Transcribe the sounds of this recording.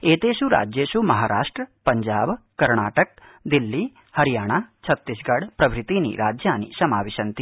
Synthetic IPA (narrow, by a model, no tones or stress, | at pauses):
eːt̪eːʃuɾa̰ːd͡ʒjeːʃumɐɦaːɾaːʂʈɾɐpɐɲd͡ʒaːb | kɐɾɳaːʈɐk̚ | d̪ilːi | hɐɾijaːɳat͡ʃʰɐt̪ːisɡɐɽpɾɐʋɾit̪iːnḭɾaːd͡ʒjaːnḭsɐmaːʋiʃɐnt̪i